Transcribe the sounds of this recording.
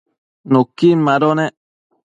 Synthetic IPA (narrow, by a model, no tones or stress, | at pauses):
nokːinmaɾonɛ